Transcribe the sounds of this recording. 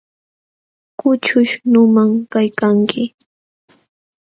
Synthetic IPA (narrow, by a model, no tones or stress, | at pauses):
kʊt͡ʃʊʃnʊmamkajkaŋkɪ